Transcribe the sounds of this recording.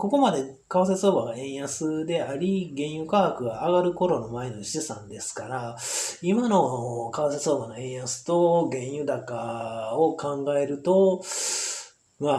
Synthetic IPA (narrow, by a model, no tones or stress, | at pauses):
ko̞ko̞mad̪e̞ | kaaseso̞ːbaɡaẽ̞ɰ̃jasɨd̪e̞aɾʲiɡẽ̞ɰ̃jɯ̟kahakɯ̟ɡaːɡaɾɯ̟ko̞ɾo̞no̞mae̞noɕi̥isã̰nd̪e̞sɨ̥kaɾaimano̞kaaseso̞ːbano̞ẽ̞ɰ̃jasɨ̥t̪o̞ɡẽ̞ɰ̃jɯ̟d̪akaokãŋɡae̞ɾɯ̟t̪o̞ | ma